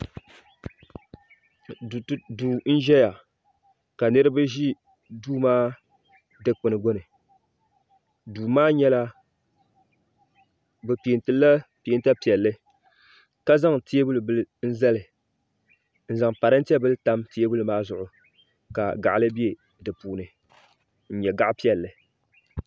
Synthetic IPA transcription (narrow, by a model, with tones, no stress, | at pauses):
duː˨n̩˦ʒɛ˦ja˨ | ka˨nɨ˦ɾɨ˦ba˦ʒi˦ | duː˦maː˦ | dɨ˦k͡pɨ˨nɨ˨ɡo˦nɨ˨ | duː˨maː˦ɲɛ˦la˦ | bɨ˨pi˨e˨ntɨ˨˦la˦pi˨e˦n˦ta˦pi˨ɛ˨lːɨ˦ | ka˦za˦ŋti˦e˦bu˦lɨ˨bɨ˦lɨ˦n̩˦zɛ˦lɨ˨ | n̩˦za˨ŋpa˨ɾɨ˦n̩˦ti˦ɛ˦bɨ˦lɨ˦ta˦mti˦e˦bu˦lɨ˨maː˦zʊ˨ʔʊ˨ | ka̰˨ɡa̰˨ʔa˨lɨ˦bi˦e˨ | dɨ˨puː˨nɨ˨ | n̩˦ɲɛ˨ɡa˦ʔpi˦ɛ˨lːɨ˨